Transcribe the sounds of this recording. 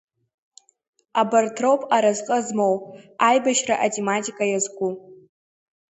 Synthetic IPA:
abartʰropʼaɾazqʼəzmowʼajbaʃraʔatʼematʲʼikʼajazɡʷʼu

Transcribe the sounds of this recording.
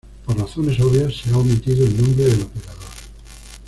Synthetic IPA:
poɾraθone̞soβjasːeawmet̪iðoennõmbɾeðelopeɾaðoɾ

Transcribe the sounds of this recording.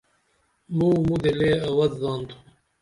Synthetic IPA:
muːmud̪eleːawɐzzɑːnd̪u̥

